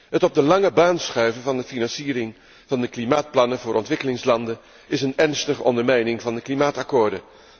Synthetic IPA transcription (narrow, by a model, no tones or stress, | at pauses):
ɦətɔb̚dəlɑŋəbaːnsχœɥvənvɑndəfinɑnsiːɾɪŋ | v̥ɑndəklimaːt̚plɑnəvʊːɾʔɔ̰ntʋɪkəlɪŋslɑndə | ɪsənɛɹnstəχəʔɔndəɹmɛjnɪŋvɑndəklimaːtɑkʊːɹdə